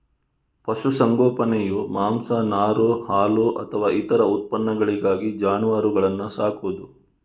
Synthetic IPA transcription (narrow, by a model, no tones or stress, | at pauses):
pɐʃusɐŋɡɔːpɐnɛjumaːmsɐnaːɾohaːluʔɐ̰t̪ʰɐʋaːit̪ɐɾɐut̪̚pɐnːɐɡɐɭiɡaːɡid͡ʒaːnuʋaːɾuɡɐɭɐnːusaːkʰud̪u